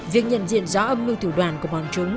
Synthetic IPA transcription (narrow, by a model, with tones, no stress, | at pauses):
vi˨˩ək̚ɲə̰˧˨nzḭ˧˨ənzɔ˨˦ʔə˧mlɨ˧wt̪ʰɨ˧˩ɗwaː˧˩nku˧˩əɓɔ˨˩nt͡ɕʊ˨˦ŋ͡m